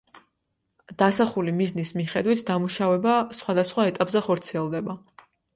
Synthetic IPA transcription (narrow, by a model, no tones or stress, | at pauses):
d̪̥asaχulimiznismiχɛd̪wit̪ʰd̪amuʃavɛbasχwad̪asχwaɛt̪ʼapʼzɛχɔɾt̪sʰiɛlˠd̪ɛba